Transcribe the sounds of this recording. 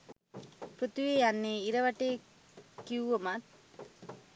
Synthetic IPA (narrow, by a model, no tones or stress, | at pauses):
pɾot̪iʋejanːeːiɾɐʋɐʈeː | kiuʋɐmat